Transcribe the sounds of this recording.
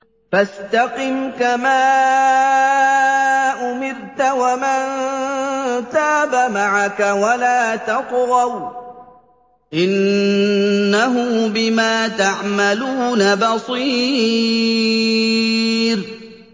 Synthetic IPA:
fast̪aqɪmkamaː | ʔʊmɪɾt̪awaman | t̪aːbamaʕakawalaːt̪ɑqɾɑw | ʔɪnː | aɦʊbɪmaːt̪aʕmaluːnabɑsˤiː | ɾ

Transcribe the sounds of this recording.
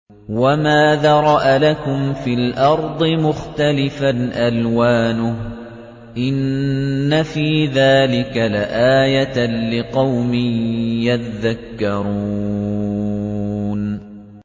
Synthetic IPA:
wamaːðaːɾˤɑʔalakʊmfiːlʔɑɾˤd̪ˤɨmʊxt̪alɪfanʔalwaːnʊh | ʔɪnː | afiːðaːlɪkalaʔaːjalɪqɑwmɪjatðakːɑɾuː | n

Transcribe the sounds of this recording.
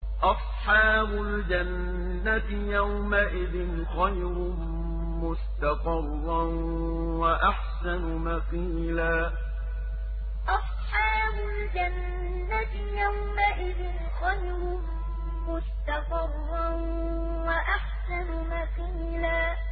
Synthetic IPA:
ʔɑsˤħɑːbʊld͡ʒanː | at̪ɪjawmaʔɪðɪn | xɑj | ɾʊ | mʊst̪ɑqɨrːɑn | waʔaħsanʊmɑqiːlaː | ʔɑsˤ | ħɑːbʊld͡ʒanː | at̪ | jawmaʔɪðɪn | xɑn | ɾʊ | mʊst̪ɑqɨrˤːɑn | waʔaħsanʊmɑqiː | laː

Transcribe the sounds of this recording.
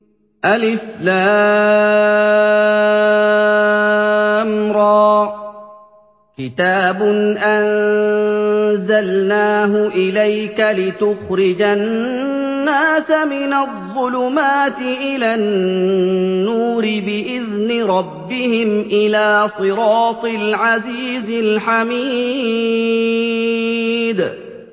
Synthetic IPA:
ʔalʔɪflaː | mɾˤɑː | kɪt̪aːbʊnʔan | zalnaːɦʊʔɪlajkalɪt̪ʊxɾɪd͡ʒanː | aːsamɪnaðˤːʊlʊmaːt̪ɪʔɪlannː | uːɾɪbɪʔɪðnɪɾˤɑbːɪhɪmʔɪlaːsˤɨɾɑːt̪ˤɪlʕaziːzɪlħamiː | d̪

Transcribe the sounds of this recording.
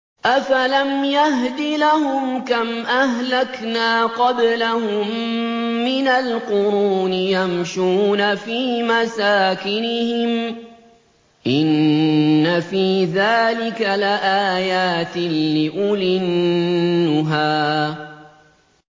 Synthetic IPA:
ʔafalamjaɦd̪ilahʊmkamʔahlaknaːqɑblahʊmː | ɪnalqʊɾuːnɪjamʃuːnafiːmasaːkɪnɪhɪm | ʔɪnː | afiːðaːlɪkalɪʔaːjaːt̪ɪnːɪʔʊlɪnː | ʊɦaː

